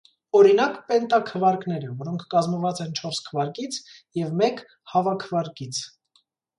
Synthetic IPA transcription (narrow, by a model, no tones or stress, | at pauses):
ɔɾinɑkpɛnt̪ɑkʰəvɑɾkn̪ɛɾəvɔɾɔŋkʰːkɑzməvɑt͡sɛnt͡ʃʰɔɾskʰəvɑɾkit͡sʰ | jɛvmɛk | hɑvɑkʰəvɑɾkit͡sʰ